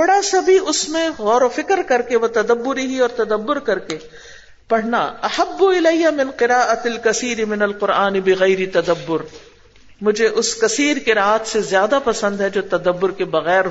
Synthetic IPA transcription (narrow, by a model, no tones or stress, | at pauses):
oɽasɐbʱiʊsmẽɣɔːɾofɪkɾkɐɾkeʋɐt̪ɐd̪ɐbːʊɾiɦiɔːɾt̪ɐd̪ɐbːʊɾkɐɾke | pɐɽ̤na̰ɐhɐbːʊɪlɐjjːamɪnqɪɾaːʔɐt̪ɐlkɐsiːɾɪmɪnɐlqʊɾaːnɪbɪɣɐɪɾit̪ɐd̪ɐbːʊɾ | mʊd͡ʒʱeʔʊskɐsiːɾkeɾaːt̪ʰsezjaːd̪apɐsə̃nd̪ɦɛd͡ʒoːt̪ɐd̪ɐbːʊɾkebɐɣɛːɾ